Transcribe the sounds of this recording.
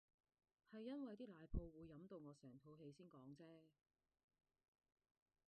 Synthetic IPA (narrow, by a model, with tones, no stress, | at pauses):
hɐ˨jːɐ˥nwɐ˨jt̪iː˥laː˨˧jpʰo˧wwuː˨˧jːɐ˨˥mt̪o˧wŋɔː˨˧sɛː˨˩ŋt̪ʰo˨˧wɦe˨˧jsiː˥nkɔː˨˥ŋt͡sɛː˥